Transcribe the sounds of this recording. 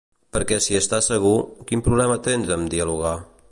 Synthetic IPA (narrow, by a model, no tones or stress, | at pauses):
pəɾkɛsiəst̪asəɣ̞ukimpɾuβlɛmət̪enzəmd̪iəluɣ̞a